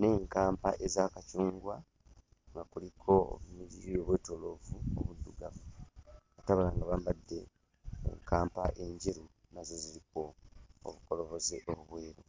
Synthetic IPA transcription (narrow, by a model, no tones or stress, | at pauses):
ne̞ːŋkaːmpaʔe̞zaːkacuːŋɡwa | ŋɡakulikʰo̞o̰βmiɾiɾioβweːto̞lo̞vuoβudːuɡavukataβulaŋɡaβambadːe̞ | ḛŋkaːmpaʔeɲɟiɾi | mazeziɾiko̞o̰βukolo̞βo̞zeʔoβuβweːɾo